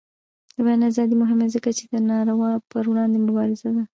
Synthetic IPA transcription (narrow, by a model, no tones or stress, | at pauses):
d̪əbanazɑd̪imʊɦɪmezəkat͡ʃed̪ənɑɾawɑpəɾwɽɑnd̪emʊbɑɾɪzad̪a